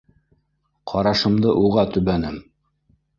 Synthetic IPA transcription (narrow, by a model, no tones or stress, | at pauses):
qʰɑɾɑʃɤ̆md̪ɤʔuʁɑt̪ɵ̆βænɘm